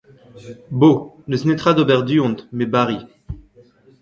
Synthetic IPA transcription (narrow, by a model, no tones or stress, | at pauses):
boləsnet̪χad̪obɛʁd̪yɔ̃d̪mɛbaʁi